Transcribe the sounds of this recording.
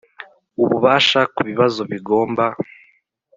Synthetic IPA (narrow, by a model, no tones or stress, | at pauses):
uβuβaːʃakuβiβazo̞βiɡo̞ːmba